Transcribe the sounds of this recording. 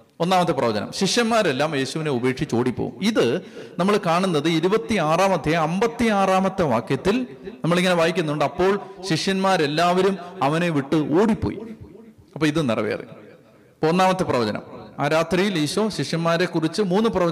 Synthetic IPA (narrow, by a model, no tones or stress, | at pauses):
onːaːmɐt̪ːeprɐʋɐd͡ʑɐ̰nɐ̰mɕiʂjɐnmaːɾe̞lːaːmje̞ːɕuʋine̞ube̞ːkʂit͡ɕːo̞ːɽipːo̰ːṵmiðɨnɐmːɐɭkaːɳunːɐðɨiɾubɐt̪ːiaːraːmɐt̪ːeɐmbɐt̪ːiaːraːmɐt̪ːeʋa̰ːkjɐt̪ːilnɐmːɐɭiŋːɐne̞ʋaːjikʲːunːuɳɖɐpːo̞ːɭɕiʂjɐnmaːɾe̞lːaːʋɐɾumɐʋɐne̞ʋiʈːɨoːɽipːoːjḭ | ɐpːoːiðɨnirɐ̰ʋḛɐ̰rḭ | ponːaːmɐt̪ːeprɐʋɐd͡ʑɐnɐ̰maːɾaːt̪rijiliːɕoːɕiʂjɐnmaːɾe̞kːurit͡ɕːɨmuːnːɨprɐʋɐ